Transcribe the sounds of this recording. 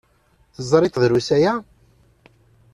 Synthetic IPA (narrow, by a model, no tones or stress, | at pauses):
θəzˤːɾˤɪt̪ðɾusæjæ